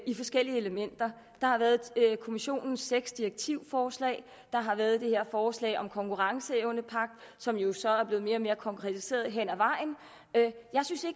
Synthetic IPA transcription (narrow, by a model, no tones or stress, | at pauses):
ifɒ̽sɡ̥el̰iəeləmen̰d̥ɐ | d̥ɑ̈hɑ̈ʋæːɐð̩ˠkʰo̝miɕo̝̰ːnn̩sːeɡ̥sd̥iʁeɡ̥̚t͡sʰiʊfɒːslɛ̰ːɪ | d̥ɑ̈ɦɑ̈ʋæɐð̩ˠd̥e̝he̝ɐ̰fɒːslɛ̰ɪɒ̽mkʰɒ̽ŋkuʁɑ̈ŋsəeʊnəpʰɑ̈ɡ̥̚d̥ | sɒ̽mjo̝sɒ̽æɐb̥le̝ːð̩ˠme̝ːɐɒ̽me̝ːɐkʰɒ̽ŋkʰʁɛt͡sʰise̝̰ːɐðˠɦen̰æʋɑ̈ɪ̰n | jɑ̈ɪsynse̝